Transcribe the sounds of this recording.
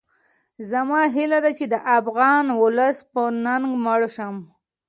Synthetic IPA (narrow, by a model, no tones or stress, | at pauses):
zamɑɦilad̪at͡ʃed̪əʔafɣɑnwʊləspənaŋɡməɽʃəm